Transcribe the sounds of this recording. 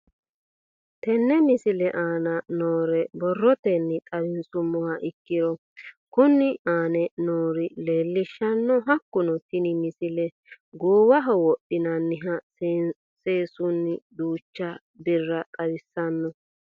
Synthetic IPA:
t̪ɛnːɛmɪsɪlɛʔaːnɐnoːɾɛbɔrːɔt̪ɛnːɪkʼɐɾɪnsʼʊmʊhɐʔɪkːɪɾɔ | kʊnɪʔaːnɛnoːɾɪle̞ːlːɪʃːɐnːɔɦɐkːʊnɔt̪ɪnɪmɪsɪlɛ | ɡoːwɐɦɔwɔɗɪnɐnːɪɦɐ | seːsʊnːɪd̪uːt͡ʃːɐ | bɪrːɐkʼɐwɪsːɐnːɔ

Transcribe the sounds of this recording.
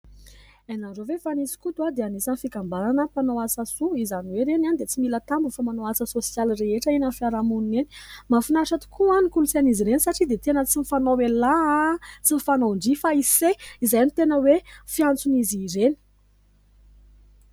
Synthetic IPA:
enazovefanisi̥kut̪uad̪eanisanifikambaɾanəpanoasasuizaniweɾenanid̪et͡similət̪ambufamanoat͡səsosjalreeʈ͡ʂəinanfiaɾamunineni̥mafinaʈ͡ʂat̪i̥kʰuanikulut͡saniziɾenisaʈ͡ʂid̪et̪enət͡sinifanowelat͡sinifanoɳɖ͡ʐifaiseizajnit̪enəwefiant͡suniziɾeni̥

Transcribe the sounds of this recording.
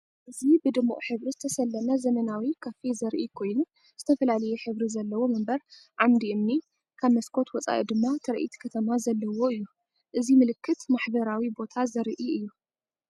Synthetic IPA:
ʔɨzibɨd̪ɨmuʔʼħɨβɾizɨt̪ʰɐsɐlːɐnɐzɐmɐnawikʰɐfizɐɾʔikʰo̞jnu | z̥ɨt̪ʰɐfɐlalɐjɛħɨβɾizɐlːɐwo̞mɐmbɐɾʕamd̪iɨmni | kʰaβmɐskʰo̞t̪wɔt͡sʼa̰ʔid̪ɨmːat̪ʰɐɾʔḭt̪ʰi̥kʰɐt̪ʰɐmazɐlːɐwo̞ɨjːu | ʔɨzimɨlɨkːɨt̪maħbɐɾawibo̞t̪ʰazɐɾʔiɨjːu

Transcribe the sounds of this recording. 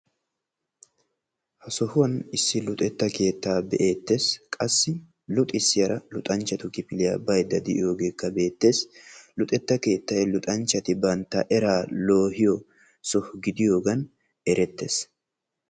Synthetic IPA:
hɐsɔhʊwɐnɪsːɪlʊt̪ʼɛt̪ːɐke̞ːt̪ːaːbɛʔe̞ːt̪ːe̞ːskʼɐsːɪ | lʊt̪ʼɪsːɪjɐɾɐlʊt̪ʼɐnt͡ʃːɐt̪ʊkɪpɪlɪjɐ̰bɐjd̪ɐd̪ɪʔɪjo̞ːɡeːkːɐbe̞ːt̪ːe̞ːslʊt̪ʼɛt̪ːɐke̞ːt̪ːɐɛlʊt̪ʼɐnt͡ʃːɐt̪ɪbɐnt̪ːɐʔɛɾaːlo̞ːhɪjɔ | sɔhʊɡɪd̪ɪjo̞ːɡɐn | ɛɾɛt̪ːe̞ːs

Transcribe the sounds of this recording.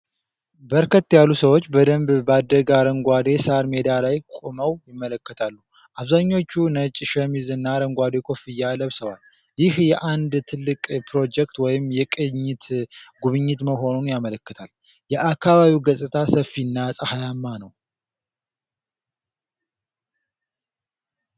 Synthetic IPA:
bəɾkʰət̪ːjalːusəwo̞t͡ʃːbəd̪əmbbad̪ːəɡaɾəŋɡʷad̪e̞saɾme̞d̪alajkʼoməwjɪmːələkːət̪ʰalːu | ʔaβzaɲːo̞t͡ʃːunət͡ʃʼːʃɛmizɨnːaɾəŋɡʷad̪e̞kʰo̞fijːaləβsəwal | jɪhjɛʔand̪t̪ʰɨlːɨkʼpʰɾo̞d͡ʒɛk̚t̪wɔjɪmjɛkʼɨɲːɪt̪ʰɡuβɨɲːɪt̪məɦo̞nunjamələkːət̪ʰal | jɛʔakʰːaβaβiwɡəsʼɨt̪ʰasəfinːasʼəhajamːanəw

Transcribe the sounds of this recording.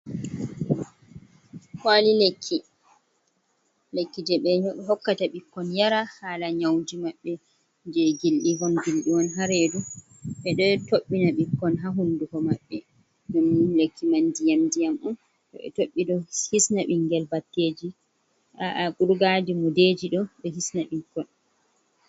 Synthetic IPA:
hwalilekʰːi | lekːid͡ʒɛɓɛɲɔɗɦɔkːataɓikːɔnjaɾahalaɲawd͡ʒimaɓːɛ | d͡ʒɛɡilɗiɦɔnɡilɗiwɔnɦaɾedu | ɓɛɗɔtoɓːinaɓikːɔnɦaɦundukɔmaɓːɛ | namlekʰːimandijamdijamɔn | tɔ̰ɓɛ̰toɓːiɗɔhisnaɓiŋɡɛlbatːeːd͡ʒi | aʔaɡuɾɡadimuded͡ʒiɗɔɓɛɦisnaɓikːɔn

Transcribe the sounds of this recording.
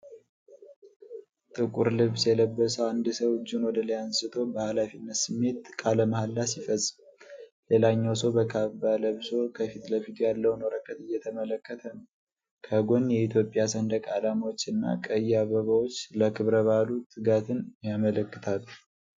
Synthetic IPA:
t̪ʼɨkʼuɾlɨβsjɛləbːəsəwand̪ɨsəwd͡ʒːinwɔd̪ələjansɨt̪ʰo̞bəhalafinːət̪sɨmːe̞t̪kʼaləmahalːasifəsʼɨmle̞laɲːawsəwbəkʰaβbaləβso̞kʰəfit̪ləfit̪ʰujalːəwnoɾəkʼːət̪ɨjːɛt̪ʰəmələkːət̪ʰənə | kʰəɡo̞njɛit̪ʰjo̞pʼjasənd̪əkʼalamwot͡ʃːɨnːa̰kʼəjːaβəβawot͡ʃːləkʰɨβɾəβalut̪ʰɨɡat̪ʰɨnjamələkːɨt̪ʰal

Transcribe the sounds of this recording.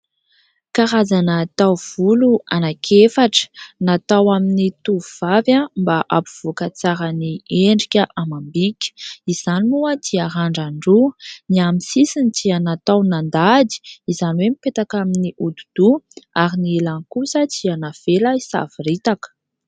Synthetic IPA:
kaɾazanət̪awv̥uluanakʰefaʈ͡ʂə̥nat̪awaminit̪uvuv̥avjambaʔapu̥v̥ukət͡saɾənieɳɖ͡ʐikʲəʔamambikʲə̥iz̥animuət̪iaɦaɳɖ͡ʐaɳɖ͡ʐuniamisisinit̪ianat̪awnand̪ad̪i̥izaniwemipet̪akaminiʔud̪ud̪̥uaɾinilaŋkusət͡sianav̥eləisa̰viɾit̪akə̥

